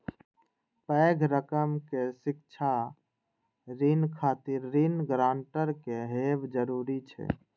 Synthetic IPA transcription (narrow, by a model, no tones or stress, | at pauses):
pɛːɡʱɾəkəmkesɪk̚t͡ʃʰa | ɾinkʰaːt̪ɪɾːinɡɾaːɳʈəɾkeɦeːbd͡ʒəɾuːɾit͡ʃʰɛ̰